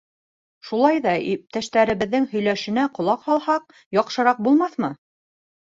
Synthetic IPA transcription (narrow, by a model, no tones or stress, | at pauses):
ʃulˠɑjðɑip̚t̪æʃt̪æɾɘ̆βɘ̆ðːɘŋhɵ̆jlæʃɘ̆næqŏlˠɑqhɑlˠhɑq̚ | jɒqʃɤ̆ɾɑq̚bulˠmɑθmɤ